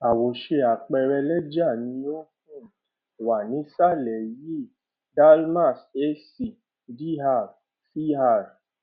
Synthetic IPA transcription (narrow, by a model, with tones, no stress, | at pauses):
a˨wo˨ʃe˧a˨k͡pɛ˧ɾɛ˧lɛ˦d͡ʒa˦˨nĩ˧˦n˦o˦k̚ũ˦˨ | i˨wa˨nĩ˨˦sa˦˨lɛ˨ji˦ | da˦lma˦˨se˦si˨ | di˦ɦa˦˨ | si˦ha˦˨ɾ